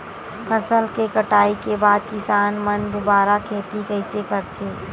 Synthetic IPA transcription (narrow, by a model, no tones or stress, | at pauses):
fʰɐsəlkekəʈaːikebaːd̪̚kɪsaːnmɐ̃nd̪obaːɾakʰeːt̪ikəɪsekɐɾt̪ʰeː